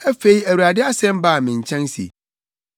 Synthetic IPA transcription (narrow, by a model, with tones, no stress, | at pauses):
æ˦fe˦i˦æ˨wu˨ɾa˨dɪ˦a˦sɛ̃˦m˦ba˦˨mɪ̃˨ɲ̩˨t͡ɕʰɛ̃˦nsḭ˨